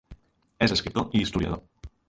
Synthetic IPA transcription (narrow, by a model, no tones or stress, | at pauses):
eseskɾit̪oʔiist̪uðja̰ðo